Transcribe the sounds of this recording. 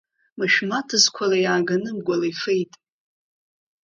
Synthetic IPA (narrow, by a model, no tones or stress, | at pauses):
mɨʃᶣmatʰɨzkʷʰalajaːɡanɨmɡʷalajfejtʼ